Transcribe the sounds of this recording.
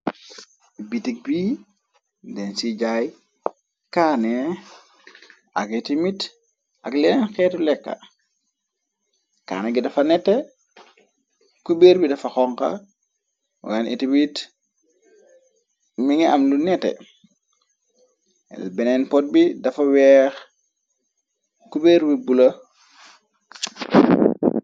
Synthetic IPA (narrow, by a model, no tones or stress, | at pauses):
bitik̚bi | dɛnsiɟaj | kaːne | akitimit | ʔaklenɛnxɛːtulɛkːa̰ | ka̰ːneɡidɐfɐnɛtːe | kubeɾbidɐfaxɔŋka̰ | wanḭtimit | miŋiamlunɛtːḛ | lbɛnɛnpɔt̚bidɐfɐwɛːx | kubeːɾbibulɐ